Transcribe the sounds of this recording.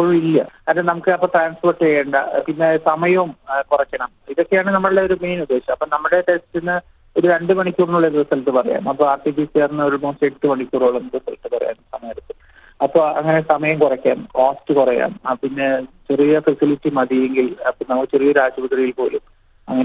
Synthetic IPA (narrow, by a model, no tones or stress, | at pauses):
poɭilːɐ̰ɐnɐnɐmukːɨɐpːoːʈraːnspo̞ːrʈːejeɳɖɐpinːe̞sɐmɐjɐmkurɐkʲːɐɳɐmiðo̞kːe̞jaːɳɨnɐmːɐɭɨɽeo̞ɾume̞ːnud̪ːe̞ːɕɐmɐpːoːnɐmːuɽe̞ʈe̞stinːɨ | o̞ɾuɾeɳɖɨmɐɳikʲːuːrnːuɭːɐðiɾɐsɐlt̪ːɨpɐrɐ̰ja̰ːmɐpːo̞ːaːrʈifisijaːrnːɐoɾumoːseʈːɨmɐɳikʲːuːroːɭenːɐusɐliʈ̪ːɨpɐrɐja̰ːnsɐmaːɾut̪ːu | ɐpːo̞ːɐ̰ŋːɐnesɐmɐjɐmkurɐkʲːa̰ːmkoːstɨkurɐja̰ːmpinːe̞t͡ɕerijɐfɐsiliʈːimɐðijeŋɡilɐpːonɐmukːɨt͡ɕerijɐɾaːd͡ʑɐbɐt̪rijilpo̞ːlum | ɐ̰ŋːɐn